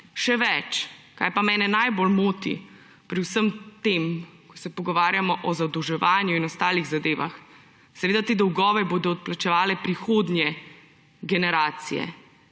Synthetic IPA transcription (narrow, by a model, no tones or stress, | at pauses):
ʃɛʋɛt͡ʃka̰jpamɛːnɛnajbolmoːt̪ḭ | pɾiwsəmt̪emkɔ̥sɛpɔɡɔʋaːɾjamɔʔɔzad̪ɔwʒɛʋaːnjuinɔst̪aːliɣzad̪eːʋa̰x | sɛʋeːd̪at̪eːd̪ɔwɡɔːʋɛboːd̪ɔːt̪̚plat͡ʃɛʋaːlɛpɾixoːd̪nʲjɛ | ɡɛnɛɾaːt̪sḭjɛ̰